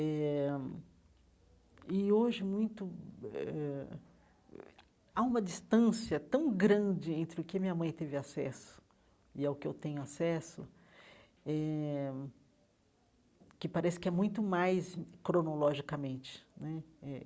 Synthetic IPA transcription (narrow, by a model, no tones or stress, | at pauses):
ɛ | ɪoʒɪmũj̃t̪ʊɛ | aũmɐd͡ʒist̪ɐ̃siɐt̪ɐ̃w̃ɡɾɐ̃d͡ʒɪẽnt̪ɾɪʊkɪamĩɲɐmɐ̃j̃t̪evɪasɛsʊ̥ | ɪaʊkɪḛwt̪ẽɲʊasɛsʊ | ɛ | kɪpaɾɛsɪ̥kɪɛmũj̃t̪ʊmajskɾonolɔʒikɐmẽnt͡ʃɪ̥nɛɛ